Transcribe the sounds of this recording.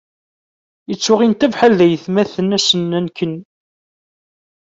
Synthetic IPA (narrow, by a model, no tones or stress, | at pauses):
jət͡sːʊʁint̪ævħalðæjəθmæθənæsənːænkən